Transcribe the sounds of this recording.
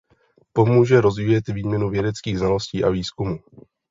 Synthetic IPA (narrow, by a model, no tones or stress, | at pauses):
po̞muːʒɛɾo̞zviːjɛt̪viːmɲɛnuvjɛdɛt͡skiːɣznalo̞sciːʔaviːskumuː